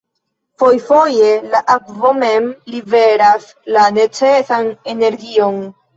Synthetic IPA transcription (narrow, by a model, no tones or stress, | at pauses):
fo̞jfo̞je̞laʔakvo̞me̞mlive̞ɾas | lane̞t͡se̞sane̞ne̞ɾɡio̞n